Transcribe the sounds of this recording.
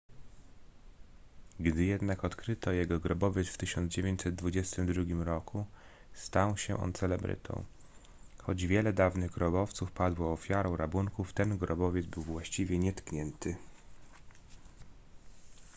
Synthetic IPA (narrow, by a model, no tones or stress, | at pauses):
ɡd̪ɘjɛd̪nakɔt̪kɾɘt̪ɔjɛɡɔɡɾɔbɔvʲjɛt̪sft̪ɘɕɔnd̪zd͡ʑevʲjeɲt͡ɕsɛd̪̚d̪vud͡ʑɛst̪ɘmd̪ɾuɡʲimɾɔkʰu | st̪awɕɛʔɔ̰nt̪sɛlɛbɾɘ̰t̪ʰɔ̰̃w̃ | xɔd͡ʑvʲjɛlɛd̪avnɘɣɡɾɔbɔft̪sufpad̪wɔːfʲjaɾɔ̃w̃ɾabuŋkuft̪ɛnɡɾɔbɔvʲjɛd̪zbɘwvwaɕt͡ɕivʲjɛɲɛt̪kɲɛnt̪ʰɘ